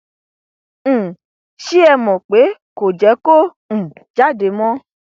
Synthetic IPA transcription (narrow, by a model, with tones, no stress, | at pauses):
ʃi˦ɛ˧mɔ̃˨k͡pe˨˦ko˨d͡ʒɛ˨˦kõ˦˨ | d͡ʒa˦˨de˨˦mɔ̃˦